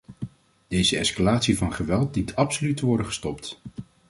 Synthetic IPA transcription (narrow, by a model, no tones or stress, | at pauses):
d̥ejzəɛskalaːtsivɑnχəʋɛlˠt̚ditɑpsolytəʋɔɹdəχə̥stɔpt